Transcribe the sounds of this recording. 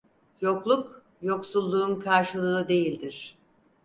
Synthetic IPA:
jo̞klˠup | jo̞ksulˠːuːmkʰaɾʃɯlˠɯɯd̪e̞jilʲd̪iɾ̥

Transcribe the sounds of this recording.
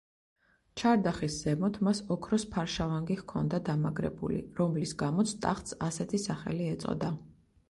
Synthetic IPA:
t͡ʃʰaɾd̪aχisz̥ɛmɔt̪ʰmasɔkʰɾɔspʰaɾʃavaŋɡihkʰɔnd̪ad̪amaɡɾɛ̰bṵlḭɾɔmlisɡamɔt̪sʰt̪ʼa̰χt̪sasɛt̪ʰisaχɛliɛt̪sʼɔ̰d̪a

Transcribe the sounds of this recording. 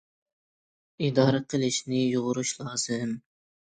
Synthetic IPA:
id̪ɑːɾɛqʰəlˠɪʃnɪjoʁʊɾuʃlˠɑːz̥ɨm

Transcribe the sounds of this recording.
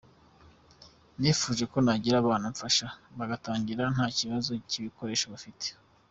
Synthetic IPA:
niːfuːʒe̞ko̞naɟiɾaβaːnuɱfaʃaβaɡataːɲɟiɾan̥haːciβazo̞ciβiko̞ɾe̞ːʃaβafite̥

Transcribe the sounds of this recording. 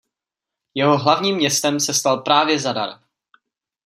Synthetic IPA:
jɛɦo̞ɦlavɲiːmɲɛst̪ɛmsɛst̪alpɾaːvjɛzada̰ɾ

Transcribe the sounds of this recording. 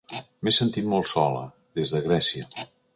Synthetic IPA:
mesənt̪it̪molˠsɔlə̰ | ðezðəɣɾɛsiə

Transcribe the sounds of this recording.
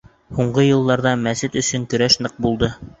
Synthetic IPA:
huɴɢɤjɤ̆lˠːɑɾðɑmæsɘt̪ɵ̆sɵŋkɵ̆ɾæʃnɤq̚bulˠd̪ɤ

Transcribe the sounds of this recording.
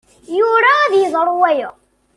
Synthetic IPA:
juɾæːðjəðˤɾˤwæjə

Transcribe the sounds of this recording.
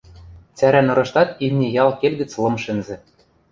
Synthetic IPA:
t͡sæɾænɤ̆ɾɤ̆ʃt̪ɑt̪imʲnʲĕjɑlˠkelʲɡɘ̆t͡slˠɤ̆mʃɘ̆nzɘ̆

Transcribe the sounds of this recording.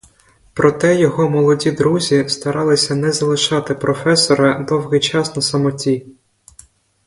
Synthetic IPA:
pɾɔt̪ɛjɔɦɔmɔlˠɔdʲid̪ɾuzʲist̪ɐɾɑlˠɪsʲɐnɛzɐlˠɪʃɑt̪ɪpɾʔɔfɛsɔɾɐd̪ɔwɣɪjt͡ʃɑsnɐsɐmɔtʲi

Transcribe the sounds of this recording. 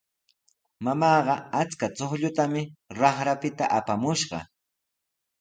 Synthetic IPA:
mamɑːɢɑat͡skat͡soχʎʊt̪amɪɾɑχɾapɪt̪aʔapamʊʃɢɑ̰

